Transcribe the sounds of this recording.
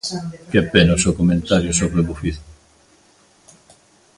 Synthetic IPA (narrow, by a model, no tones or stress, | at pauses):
kepenosokomẽnt̪aɾjosoβleβufiθ